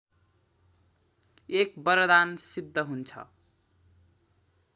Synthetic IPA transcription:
ekbʌɾʌd̪ansid̪ʱːʌɦunt͡sʰʌ̰

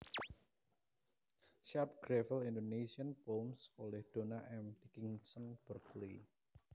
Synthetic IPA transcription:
ʃarp̚ɡ̥ɾɛfəlindonesiənpomsolɛhd̪̥o̤naʔɛmdikiŋsənb̥ərklḭ

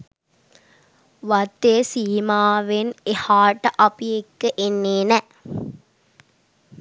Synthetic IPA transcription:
ʋɐt̪ːeːsiːmaːʋenehaːʈəʔɐpijekːəʔenːeːnɛ

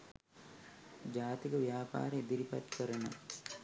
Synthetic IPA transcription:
d͡ʒaːt̪ikəʋijaːpa̰ːɾeed̪iɾipat̪kəɾənə̰

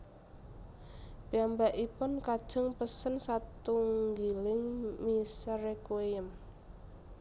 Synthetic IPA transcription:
piambaʔipʊnkad̥ʒ̥əŋpəsənsat̪uŋɡilɪŋmisɾekwejəm

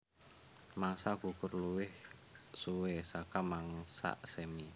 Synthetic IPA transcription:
maŋsaɡ̥ukʊrluwɪh | suwesakamaŋsa̰ʔsemi

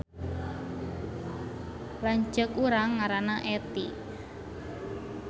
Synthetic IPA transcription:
laɲd͡ʒəkuɾaŋːaɾanaʔet̪i

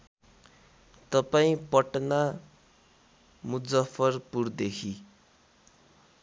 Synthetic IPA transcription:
t̪ʌpaĩpʌʈna | mud͡zʌpʰʌrpurd̪ekʰi

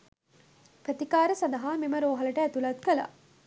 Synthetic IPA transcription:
pɾət̪ikaːɾəsand̪ɐɦaːmeməɾoːɦɐləʈəæt̪ulɐt̪kəla̰

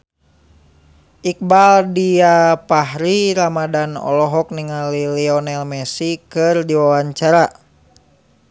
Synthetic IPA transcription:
ʔik̚baldiapahɾiɾamadanɔ̰lɔɦɔk̚niŋaliliɔnɛlmɛsikɨrdiwawaɲt͡ʃaɾa

